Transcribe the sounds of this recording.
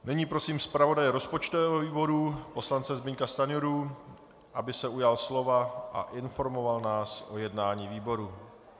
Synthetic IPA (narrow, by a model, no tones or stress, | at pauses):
nɛɲiːpɾo̞siːmspɾavo̞dajɛɾo̞spo̞t͡ʃt̪ovɛːɦoviːbo̞ɾupo̞slant͡sɛzbɪɲkast̪anɪjoɾu | ʔabɪsɛujalslo̞vaʔa̰ʔɪnfo̞ɾmo̞valnaːsʔo̞jɛdnaːɲiːviːbo̞ɾu